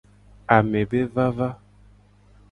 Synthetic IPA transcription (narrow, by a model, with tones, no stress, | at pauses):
a˨me˨be˦va˦va˦